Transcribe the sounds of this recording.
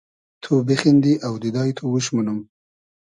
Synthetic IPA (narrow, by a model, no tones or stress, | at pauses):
t̪ʰobexend̪iʔawd̪ɪd̪ɑjt̪ʰowuʃmənum